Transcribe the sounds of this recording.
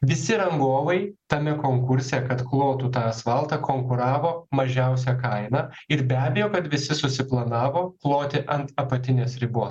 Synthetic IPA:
ʋʲɪsʲɪɾɐŋɡoːʋɐɪt̪ɐmʲɛkoːŋkʊɾʲsʲɛkɐt̪klˠoːt̪uːt̪ɑːɐsʋɐlˠt̪ɑkoːŋkʊɾɑːʋoːmɐʒʲɛʊsʲɛkɐɪnɑːɪɾbʲæːbʲejoːkɐt̪ʋʲɪsʲɪsʊsʲɪplˠɐnɑːʋoːklˠoːt̪ʲɪʔɐnt̪ɐpɐt̪ʲɪnʲeːsɾʲɪbuɔːs

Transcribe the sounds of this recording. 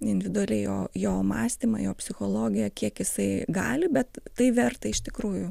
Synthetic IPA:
ɪnʲdʲɪʋʲɪd̪ʊɐlʲɛɪjo̰ːjoːmɑːsʲt̪ʲimɐ̰joːpʲsʲɪxoːlˠoːɡʲɪjɛkʲiɛkjɪsɐɪɡɑːlʲɪbʲɛt̪tɐɪʋʲɛrt̪ɐɪɪʃt̪ʲɪkɾuːjʊ

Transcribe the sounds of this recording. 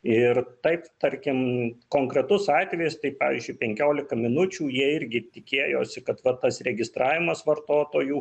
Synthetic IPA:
ɪrt̪ɐɪpt̪ɐrʲkʲɪmkoːŋkɾʲɛt̪ʊsɑːt̪ʲʋʲɛjʊst̪ɐɪpɑːʋʲɪːzʲd͡ʒʲʊɪpʲɛŋʲkʲoːlʲɪkɐmʲɪnʊt͡ʃʲuːjiɛɪɾʲɡʲɪt̪ʲɪkʲeːjo̰ːsʲɪkɐt̪ʋɐt̪ɐsrʲɛɡʲɪst̪ɾɑːʋʲɪmɐsʋɐrt̪oːt̪oːjuː

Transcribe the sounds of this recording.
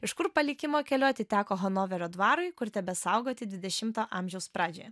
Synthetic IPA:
ɪʃkʊɾpɐlʲɪkʲɪmoːkʲɛlʲuːɐt̪ʲɪt̪ʲæːkoːɦonoːʋʲɛɾʲoːd̪ʋɑːɾʊɪkʊɾt̪ʲɛbʲɛsɑʊɡoːt̪ʲɪd̪ʲʋʲɪd̪ʲɛʃʲɪmt̪oːʔɑːmʲʒʲɛʊspɾɑːd͡ʒʲoːjɛ

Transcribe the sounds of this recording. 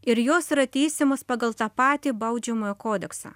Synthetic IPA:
ɪɾjoːsiɾɐt̪ʲɛɪsʲɪmɐspɑɡɐlˠt̪ɑpɑːt̪ʲiːbɐʊd͡ʒʲɛmoːjokoːd̪ʲɛksɑ̰ː

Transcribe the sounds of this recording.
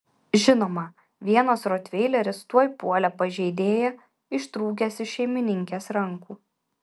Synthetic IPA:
ʒʲɪnoːmɐ | ʋʲiɛnɐsɾot̪ʲʋʲɛɪlʲɛɾʲɪst̪uɔjpuɔlʲɛpɐʒʲɛɪd̪ʲeːjɛ | ɪʃt̪ɾuːɡʲɛsʲɪʃʲɛɪmʲɪnʲɪŋʲkʲeːsɾɐŋkuː

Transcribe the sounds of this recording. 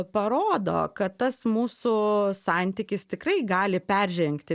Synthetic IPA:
pɐɾoːd̪o̰ːkɐt̪t̪ɐsmuːsʊsɑˑnʲt̪ʲikʲɪst̪ʲɪkrɐɪɡɑːlʲɪpʲɛrʲʒʲɛŋkt̪ʲɪ

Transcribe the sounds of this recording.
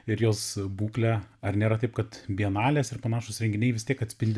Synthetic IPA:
ɪɾjoːsbuːklʲɛɐrnʲeːɾɐt̪ɐɪp̚kɐt̪bʲiɛnɑːlʲeːsɪrpɐnɑːʃosɾʲɛŋʲɡʲɪnʲɛɪʋʲɪst̪ʲiɛkɐt̪ʲsʲpʲɪlʲd̪ʲ

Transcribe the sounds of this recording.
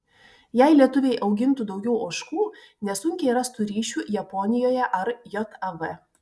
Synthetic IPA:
jæɪlʲiɛt̪ʊʋʲeɪʔɒʊɡʲɪnt̪ʊd̪ɒʊɡʲɛʊoʃkuː | nʲɛsʊŋʲkʲɛɪɾɐst̪uɾʲiːʃʲuːjɛpɔnʲɪjoːjɛʔɐɾjɔt̪ɐʋɛ

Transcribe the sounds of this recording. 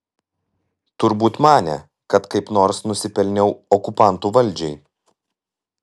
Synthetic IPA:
t̪ʊɾbuːt̪mɑːnʲɛ̰ | kɐt̪kɐɪpnoːɾsnʊsʲɪpʲɛlʲnʲɛʊɔkʊpɑˑnt̪uːʋɐlʲd͡ʒʲɛɪ

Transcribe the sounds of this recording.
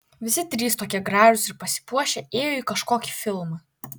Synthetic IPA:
ʋʲɪsʲɪt̪ʲɾʲiːst̪oːkʲiɛɡɾɑːʒʊsʲɪɾpɐsʲɪ̥puɔʃʲɛeːjoːikɐʃkoːkʲi̥fʲɪlˠmɐ

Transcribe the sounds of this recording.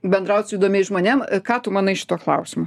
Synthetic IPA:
bʲɛnd̪ɾɐʊsʲiːd̪oːmʲeɛʒmoːnʲemkɑːt̪ʊmɑːnɐɪʃʲɪ̥t̪oːklˠɐʊsʲɪmʊː

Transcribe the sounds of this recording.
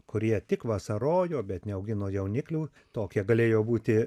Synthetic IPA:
kʊɾʲiɛt̪ʲɪkʋɐsɐɾoːjoːbʲɛt̪nʲɛɐʊɡʲɪnoːjɛʊnʲɪklʲuː | t̪oːkʲiɛɡɐlʲeːjoːbuːt̪ʲɪ

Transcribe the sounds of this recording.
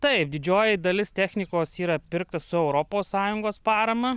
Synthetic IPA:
t̪ɐɪp̚d̪ʲɪd͡ʒʲoːjɪd̪ɐlʲɪst̪ʲæːxʲnʲɪkoːsiːɾɐpʲɪɾk̚t̪ɐssʊɛʊɾoːpoːssɑːjʊŋɡoːspɑːɾɐmɐ

